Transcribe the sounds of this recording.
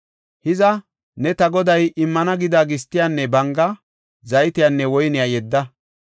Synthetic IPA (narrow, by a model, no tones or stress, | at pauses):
hɪzɐ | nɛt̪ɐɡɔd̪ɐjɪmːɐnɐɡɪd̪aːɡɪst̪ːɪjanːɛbɐŋɡɐ | zɐjt̪ɪjanːɛwɔjnɪjajɛd̪ːɐ